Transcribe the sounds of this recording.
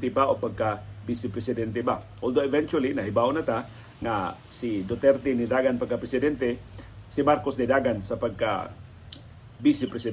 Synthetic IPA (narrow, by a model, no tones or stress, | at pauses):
t̪ɪbaʔopaɡ̚kabisɪpɾɛsɪd̪ɛnt̪ɛba | ʔold̪oɪvɛnt͡ʃualinaɦibaonat̪a | ŋa̰sid̪ot̪ɛɾt̪ɪnid̪aɡanpaɡkapɾɛsɪd̪ɛnt̪ɛsimaɾkosnid̪aɡansapaɡ̚ka̰ | bisɪpɾɛsɪ